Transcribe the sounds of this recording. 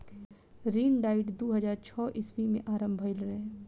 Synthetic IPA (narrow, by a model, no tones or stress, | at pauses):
ɾiːnɖaːɪʈd̪oːɦəd͡ʒaːɾt͡ʃʰɔːʔɪswimḛ̃ʔaːɾə̃mbʱəɪlɾɐɦ